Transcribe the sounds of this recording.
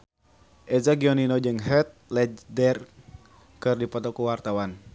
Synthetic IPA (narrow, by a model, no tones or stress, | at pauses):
ʔɛzaɡiɔninɔd͡ʒɨŋɦɛt̪̚lɛd͡ʒdɛr | kɨrdipɔt̪ɔkuwart̪awan